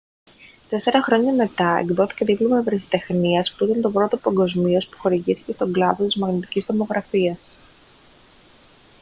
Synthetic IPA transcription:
t̪e̞se̞ɾɐxɾo̞ɲɐme̞t̪ɐḛɡðo̞θi̥ceðiplomɐevɾesi̥t̪e̞xniɐspuit̪ɐnt̪o̞pɾo̞t̪o̞pɐŋɡo̞zmio̞spu̥xo̞ɾiʝiθi̥ce̞st̪o̞ŋɡlɐðo̞t̪izmɐɣnit̪i̥cizðomo̞ɣɾɐfiɐs

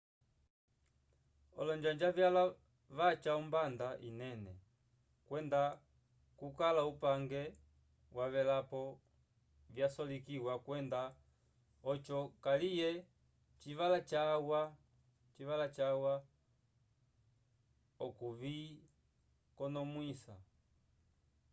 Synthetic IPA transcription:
ɔ̰lɔɲd͡ʒaɲd͡ʒavjala | vat͡ʃaumbandaʔinɛnɛ | kwɛnda | kukalaupaŋɡɛ | wʔaβɛlapɔ | vjasɔlikiwakwɛnda | ɔt͡ʃɔkalijɛ | t͡ʃivalat͡ʃawa | t͡ʃiʋalat͡ʃawa | ɔkuviː | kɔnɔmwisa̰

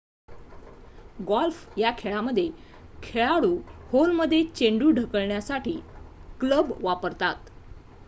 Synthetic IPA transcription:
ɡɔlfjakʰeɭaməd̪ʱːje | kʰeɭaɽuːholməd̪ʱːjet͡ɕeɳɖuːɖʱəkəɭɳjasaʈʰiːkləbʋapəɾt̪at̪

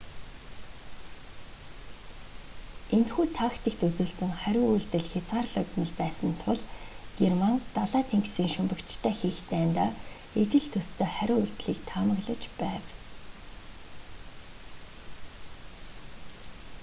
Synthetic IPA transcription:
ent̪xuːt̪ʰaxt̪ʰekt̪ut͡suːɮsɘ̆ŋχæɾʲʊːuɮt̪ɘ̆ɮxʲat͡saːrɮɔt̪mə̆ɮpæːsə̆nt̪ʰʊɮɡ̥ermant̪aɮaːt̪ʰeŋɡsiːŋʃɵmpə̆kt͡ɕʰt̪ʰæːxiːxt̪ʰæːnt̪aː | et͡ɕɪ̆ɮt̪ʰɵst̪ʰeːχæɾʲʊːuɮt̪ɮiːk̚t̪ʰaːmə̆ɣɮə̆t͡ɕpæːw

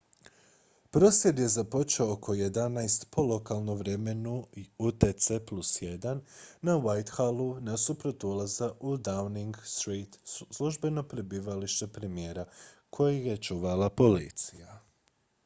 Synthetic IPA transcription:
pɾo̞sjed̪je̞zapo̞t͡ʃeookʰo̞je̞d̪anajst̪po̞lˠo̞kalˠnoʋɾeme̞nuiut̪et̪seplusje̞d̪anːawajt̪xalˠunasupɾo̞t̪ulˠazaʔud̪awniŋɡst̪ɾiːt̪slˠuʒbe̞no̞pɾebiːʋaliʃt̪epɾe̞mijeːɾakʰo̞jije̞t͡ʃuːʋalapo̞lḭt̪sija

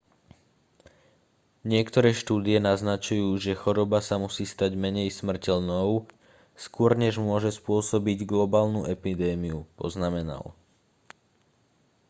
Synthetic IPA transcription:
ɲɪɛkt̪ɔɾɛːʃt̪uːd̪iɛnaznat͡ʃujuːʒɛxɔɾɔbasamusiːst̪aɟmɛɲɛjsmr̩cɛlnɔʊ | skʊɔɾɲɛʒmʊɔʒɛspʊɔsɔbiɟɡlɔbaːlnuʔɛpid̪ɛːmiupɔ̰znamɛna̰l

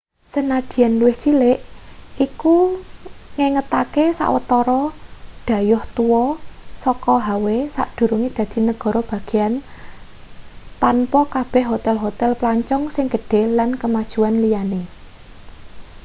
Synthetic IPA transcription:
sənad̪̥i̤anluwɪht͡ʃileʔiku | ŋeŋət̪akesa̰ʔwə̰t̪ɔɾɔɖ̥ä̤jʊht̪uwɔsɔkɔɦawesa̰ʔd̪̥ṳɾuŋid̪̥ä̤d̪̥i̤nəɡ̥ɔ̤ɾɔb̥ä̤ɡ̥i̤jan | t̪anpɔkab̥ɛ̤hɦot̪ɛlɦot̪ɛlplaɲt͡ʃɔŋsɪŋɡ̥əɖ̥e̤lankəmad̥ʒ̥uanlijane

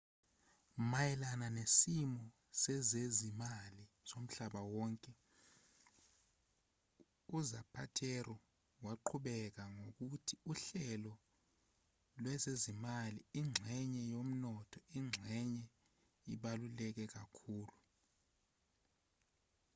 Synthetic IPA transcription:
majɛlananesimɔ | sɛzezimali | som̩ɬaɓawɔŋkʼɛ | uzapʰatʰɛrɔ | waǃʰuɓɛk̬aŋok̬utʰiuɬɛlɔ | lwɛzezimaliiŋ͡ǁʱɛɲɛjom̩nɔtʰɔiŋ͡ǁʱɛɲɛ | ḭɓalulɛk̬ɛk̬akʰuːlu

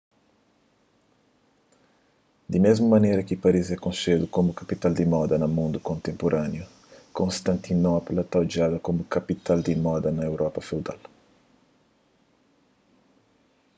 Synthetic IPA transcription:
d̪imezmumɐnejɾɐkɪpaɾizɛkõnsed̪ukomukɐpit̪ald̪imɔd̪ɐnɐmũnd̪ukõnt̪ẽmpoɾʔanjʊ | kõnst̪ɐ̃nt̪inɔpolɐt̪awd͡ʒaðɐkomukɐpit̪ald̪imɔd̪ɐnɐewɾʔɔpɐfewd̪a̰l

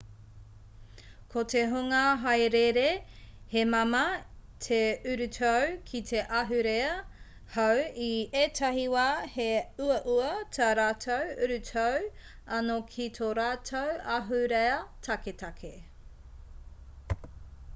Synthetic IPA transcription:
kʰoteɦoŋɐɦɐjɾeɾehemɐmɐtʰeʉɾʉtʰowkʰitʰeʔɐɦʉɾeɐ | hɐwieːtʰɐɦiwaːheuɐʔuɐtʰɐɾaːtʰowʉɾʉtʰow | ɐnokʰitʰoɾaːtʰowɐɦʉɾeɐtʰɐketɐkʰe

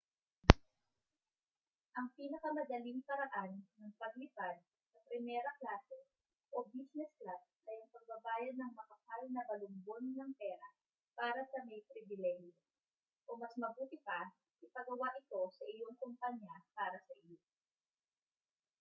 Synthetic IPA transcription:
ʔɐŋpiːnɐkɐmɐd̪ɐliŋpɐɾɐʔanːɐŋpɐɡ̚lɪpad̪̚ | sɐpɾɪmɛːɾɐklaːsɛ | ʔobisnɛsklas̚nɐjʊŋpɐɡ̚bɐbaːjɐnːɐŋmɐkɐpalnɐbɐlʊmbo̞nːɐŋpɛːɾɐ | paːɾɐsɐmɐjpɾɪvɪlɛhjo | ʔomɐsmɐbuːt̪ɪpa | ʔɪpɐɡɐwaʔɪt̪o̞sɐʔɪjo̞ŋkʊmpaɲjapaːɾɐsɐʔɪjo

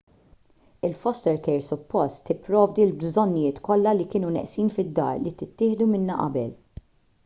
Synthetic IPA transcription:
ɪlfɔst̪ɛɾkɛɾsʊpːɔst̪ːɪpːɾɔːvd̪ilbzɔnːɪjɪːt̪kɔlːɐlikɪːnunɛ̰ʔsiːnfɪd̪ːɐ̰ːɾlit̪ɪt̪ːɪːħd̪umɪnːɐʔɐ̰bɛl

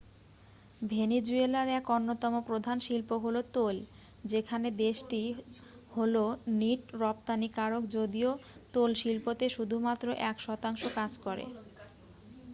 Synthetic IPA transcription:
bʱened͡ʑuelaɾɛkɔnːot̪ɔmopɾod̪ʱanʃilpoɦolot̪ol | d͡ʑekʰaned̪eʃʈiholoniʈɾɔp̚t̪anikaɾokd͡ʑod̪iot̪olʃilpot̪eʃud̪ʱumat̪ːɾoʔɛkʃɔt̪aŋʃokad͡ʑkɔɾḛ

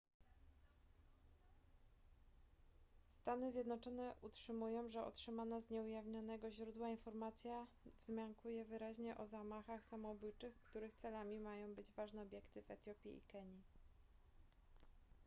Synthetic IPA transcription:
st̪anɘzʲjɛd̪nɔt͡ʂɔn̪ɛʔutʂɘmujɔ̃w̃ʐɛɔ̰tʂɘmanazɲɛujavɲɔnɛɡɔʑɾud̪wainfɔɾmat̪sʲja | vzmʲjaŋkujɛvɘɾaʑɲɛʔɔzamaxaxsamɔbujt͡ʂɘxkt̪uɾɘxt̪sɛlamʲimajɔ̃w̃bɘd͡ʑvaʐnɛɔbʲjɛkt̪ɘvɛt̪ʲjɔpʲjḭḭkɛɲi

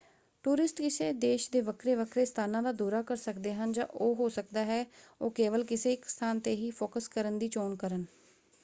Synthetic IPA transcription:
ʈuːɾɪsʈkɪseːd̪eːʃd̪eːʋəkʰɾeːʋəkʰɾeːst̪ʰaːnãːd̪aːd̪uːɾaːkəɾsəkd̪eːɦənd͡ʒã̰ːʔoːɦoːsək̚d̪aːɦɛːoːkeːʋəlkɪseːɪkst̪ʰaːnt̪eːɦiːpʰoːkəskəɾənd̪iːt͡ʃoːnkəɾən

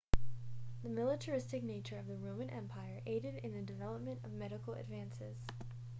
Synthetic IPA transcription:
ðɨmɪlˠəɾʰə˞ɪstɨk̚neɪt͡ʃə˞ʌvðɨɹõʊ̃mɨ̃nʔɛ̰̃mpʰaɪə˞ʔeɪɾɨɾɨ̃nðɨdɨvɛlˠəp̚mɨ̃ntʌvmɛɾɨkl̩ˠɨ̰dvæ̃nsɪz̥

